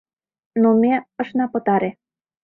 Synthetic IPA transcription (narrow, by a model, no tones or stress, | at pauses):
nomeɤ̆ʃnɑpɤ̆t̪ɑɾe